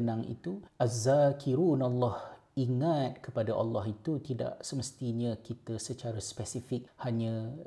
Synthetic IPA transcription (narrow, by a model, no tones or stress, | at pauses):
naŋḭt̪uʔazakʰiɾunalːɑh | iŋat̪̚kəpadaʔɑ̰lːɑɦit̪ut̪ida̰ʔsəməst̪iɲə̃kit̪əsət͡ʃaɾaspɛsifɪk̚haɲə̃